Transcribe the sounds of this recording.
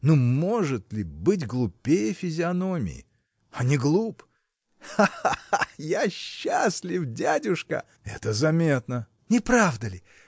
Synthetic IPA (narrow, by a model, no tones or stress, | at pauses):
numo̞ʐɨt̪lʲɪbɨtʲɡlˠʊpʲːejəfʲɪzʲɪɐno̞mʲɪ̰ɪ̰ | anʲɪɡlˠup | aaajaɕːasʲlʲɪfdʲadʲʊʂkə̰ | ɛ̰t̪əzɐmʲe̞t̪nə | nʲɪpɾavd̪əlʲɪ